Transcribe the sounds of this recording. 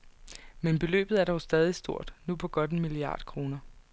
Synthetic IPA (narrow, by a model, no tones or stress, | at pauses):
menb̥e̝lø̰ːb̥ð̞̩ˠæɐɾ̥ɒʊsd̥ɛːð̞ˠisd̥o̝ɐ̰d̥nupʰɒ̽ɡ̥ɒ̽d̥enmiliɑ̰̈ːd̥kʰʁo̝ːnɐ